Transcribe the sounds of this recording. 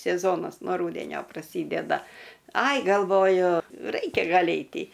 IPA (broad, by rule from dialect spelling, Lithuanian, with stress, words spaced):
sʲɛˈzoːnɐs noː ˈruːdʲɛnʲoː prɐˈsʲiːdʲɛdɐ ˈɐɪ ɡɐlˠˈʋoːjʊ ˈrɐɪkʲɛ ˈɡɐlʲ ˈɛɪtʲɪ